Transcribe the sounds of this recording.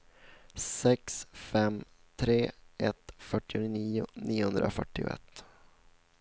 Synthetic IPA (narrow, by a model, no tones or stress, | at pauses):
sɛksfɛm | t̪ʰɾeːʔɛt̪fœʈːɪʊniːʊniːʊhɵnd̪ɾʔafœʈːɪʊ̰ʔɛ̰t̪ː